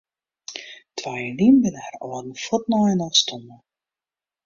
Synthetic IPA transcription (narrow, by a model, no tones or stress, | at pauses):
tʰʋajəlinʋɪləarɔːdn̩fɔtnɔjənɔstʰɔmə